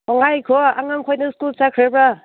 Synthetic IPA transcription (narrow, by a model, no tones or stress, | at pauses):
ɔŋajkʰɔa̰ŋaŋkʰojnɯskulsakʰɾebɾa